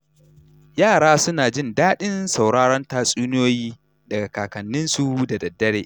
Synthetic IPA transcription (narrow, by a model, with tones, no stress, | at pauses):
jaː˦˨ɽaː˦sʊ˦naː˨d͡ʒɪ˦˨ndaː˦ɗɪ˦nsa˨wɽaː˦ɽɔ˦ntaː˦˨sʼuː˦nɪ˦joː˦jiː˦ | dɐ˨ɡa˨kaː˨kɐ˨nːɪ˦nsu˦da˨dɐ˨dːɐ˦ɽeː˨ʔ